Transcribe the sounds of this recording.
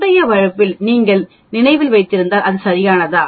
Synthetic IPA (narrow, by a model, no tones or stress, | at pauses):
ɽɐjɐʋɐɻɐpːɪlniːŋɡɐɭ | nɪnɐɪʋɪlʋɐɪt̪ːɪɾɯnd̪aːlɐðɯsɐɾɪjaːnɐðaː